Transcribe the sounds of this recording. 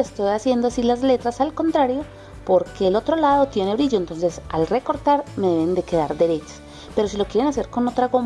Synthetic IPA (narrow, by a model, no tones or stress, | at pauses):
est̪o̞jasje̞nd̪oasilazle̞t̪ɾasalko̞nt̪ɾaɾjo̞ | po̞ɾke̞ːlo̞t̪ɾo̞lað̞o̞t̪je̞ne̞βɾiʝo̞ent̪o̞nsesa̰lre̞ko̞ɾt̪aɾme̞ðeβe̞nd̪e̞ke̞ðaɾd̪e̞ɾet͡ʃe̥s | pe̞ɾo̞s̬ilo̞kjɾenase̞ɾko̞no̞t̪ɾaɣom